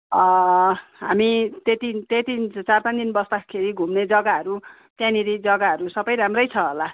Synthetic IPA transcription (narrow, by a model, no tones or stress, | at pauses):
ʌ | ɦamit̪et̪it̪et̪it͡sarpand̪inbʌsd̪akʰeɾiɡʱumned͡zʌɡaʌɾu | t̪jãniɾid͡zʌɡaɦʌɾusʌbʌjɾamrʌjt͡sʰʌɦola